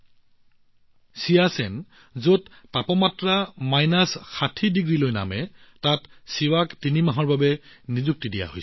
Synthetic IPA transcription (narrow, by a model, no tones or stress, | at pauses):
siasɛn | zotpapɔmatɹamajnasxatʰidiɡɹilojna̰mɛtatsiwaktinimaɦɔɹbabɛnizuk̚tidija̰ɦojs